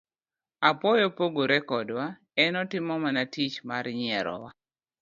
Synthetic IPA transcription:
apɔjopoɡoɾɛkɔdwa | ɛnɔtɪmɔmanatit͡ʃmarɲɪɛɾɔ̰wa

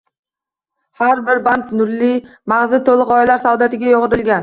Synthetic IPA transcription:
haɾbɪɾbant̪nʊɾlɪmaʁzɪt̪ʰolˠɨqɒjlaɾsawd̪at̪ɪɡʲajoʁɨɾɪlɡʲan

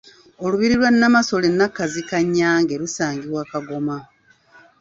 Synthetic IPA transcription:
oluβiɾilwanːamaso̞lenːakːazikaɲːaːŋɡe̞ɾusaːŋɡiβwaːkaɡo̞ma

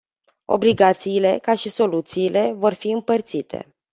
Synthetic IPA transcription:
o̞̰bliɡat̪siːle̞kaʃiso̞lut̪siːle̞vo̞rfiɨmpərt̪sit̪ʰe̞̰

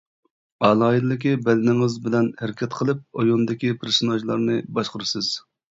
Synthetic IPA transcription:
ɑlˠɑːid̪lɪk̬ʲibɛlɪnɪŋɨzbɪlɛnhæɾɪkʲɛt̪qʰəlˠɨp̚ojond̪ɪkʲipʰeɾsonɑʒlˠɑɾnɨbɑʃqʊɾɨsɨz̥

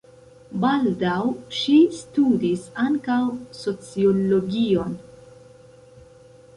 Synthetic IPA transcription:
baldawʃistudisaŋkawso̞t͡siolo̞ɡion

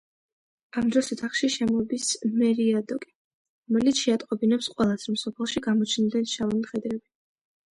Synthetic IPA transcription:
amd̪ɾɔsɛt̪ʰaχʃiʃɛmɔbismɛɾiad̪ɔkʼi̥ | ɾɔmɛlit̪sʰʃɛat̪ʼqʼɔbinɛpsqʼwɛlˠasɾɔmsɔpʰɛlˠʃiɡamɔt͡ʃʰnd̪ɛnʃavɔnimχɛd̪ɾɛbi

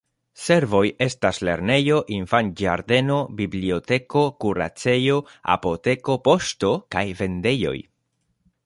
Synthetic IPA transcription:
se̞ɾvo̞je̞stasle̞̰ɾne̞jo̞ʔinfand͡ʒa̰ɾde̞no̞biblio̞te̞ko̞kuɾa̰t͡se̞jo̞a̰po̞te̞ko̞po̞sto̞kajve̞nde̞jo̞̰j

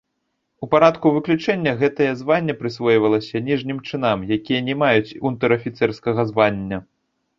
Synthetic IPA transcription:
upaɾat̪kuvɨklʲut͡ʂɛnʲːɐɣɛt̪ɐjɐzvanʲːɐpɾɨsvɔjvɐlˠɐsʲɐnʲiʐnʲimt͡ʂɨnamjakʲijɐnʲɛmajut͡sʲunt̪ɨɾɐfʲit̪sɛrskɐɣɐzvanʲːɐ

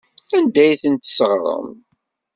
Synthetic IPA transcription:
ænd̪æjθənt̪səʁɾˤə̰m

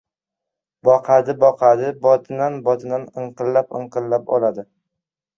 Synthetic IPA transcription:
bɒqʰad̪ɪbɒqʰad̪ɪbɒt̪ʰɪnanbɒt̪ʰɪnanɨɴqɨllapɨ̰ɴqʰɨllapɒ̰lad̪ɪ

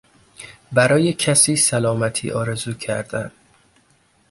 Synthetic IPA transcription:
bæɾɒːje̞cʰæsiːsælɒːmæt̪ʰḭːʔɒːɾe̞zuːcʰæɾd̪̥æn

